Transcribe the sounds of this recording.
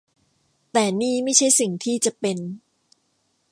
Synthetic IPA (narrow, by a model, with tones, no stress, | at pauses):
t̪ɛː˨˩niː˥˩ma˥˩jt͡ɕʰa˥˩jsi˨˩ŋt̪ʰiː˥˩t͡ɕa˨˩pe˧n